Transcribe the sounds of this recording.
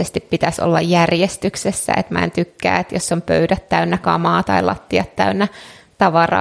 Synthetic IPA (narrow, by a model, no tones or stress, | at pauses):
est̪ippːit̪æso̰lːɑjjærjest̪yksesːæ̰ḛt̪mæ̰ḛnt̪ykːæ̰ːet̪josːompø̰ydæt̪tæynːækɑ̰mɑːt̪ɑilɑ̰t̪ːiɑt̪tæynːæt̪ɑʋɑrɑ̰ː